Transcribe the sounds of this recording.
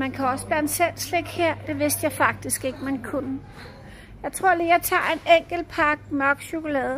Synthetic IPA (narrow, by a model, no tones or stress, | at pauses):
mænkʰæɒ̽səb̥æɐensel̰sleɡ̥heɐ̰d̥e̝ʋe̝sd̥jɑ̈ɪfɑ̈ɡ̥̚d̥isɡ̥e̝ɡ̥əmænkʰunə | jɑ̈ɪt͡sʰʁo̝ɐ̰lijɑ̈ɪt͡sʰɑ̰̈ːe̝neŋ̰ɡ̥l̩pʰɑ̈ɡ̥̚nɒɡ̥ɕoɡ̥olɛːðˠ